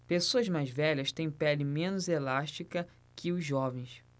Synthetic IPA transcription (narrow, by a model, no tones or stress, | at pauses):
pesoɐzmajzvɛʎɐst̪ẽj̃pɛlɪmẽnʊzelaʃt͡ʃikɐ | kʰɪʊzːɔvẽj̃s